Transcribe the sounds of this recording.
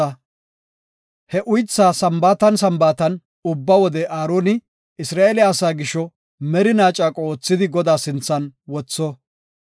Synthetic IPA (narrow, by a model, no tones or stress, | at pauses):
ɐ | hɛʔʊjt͡sːaːsɐmbaːt̪ɐnsɐmbaːt̪ɐn | ʊbːɐwɔd̪ɛʔaːɾoːnɪ | ɪsɾaːeːlɪɐːsaːɡɪʃːɔ | mɛɾɪnaːt͡ʃʼaːkʼoːt͡sːɪd̪ɪɡɔd̪aːsɪnt͡sːɐnwɔt͡sːɔ